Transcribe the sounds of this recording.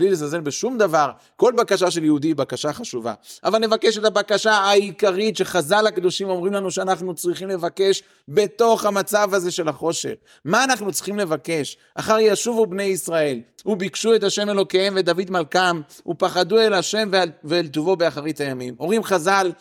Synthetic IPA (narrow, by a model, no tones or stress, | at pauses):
blilezaze̞nbeʃumd̪avaʁ | ko̞lbakaʃ̬aʃ̬e̞ljehud̪ibakaʃaχaʃuva̰ʔavalnevakeʃet̪abakaʃaaikaʁit̪ʃe̞χazalhakd̪o̞ʃimo̞mʁimlanuʃeanaχnut͡sʁiχimle̞vake̞ʃ | be̞t̪o̞χhamat͡savaze̞ʃe̞laχo̞ʃe̞̰χ | maːnaχnut͡sʁiχimle̞vake̞ʃ | ʔaχaʁjaʃuvubne̞jisʁae̞lhubikʃue̞t̪aʃe̞me̞lo̞keemve̞d̪avid̪malkam | hupaχad̪ue̞laʃe̞mveveːlt̪uvo̞beaχaʁit̪ajamimo̞ʁimχazal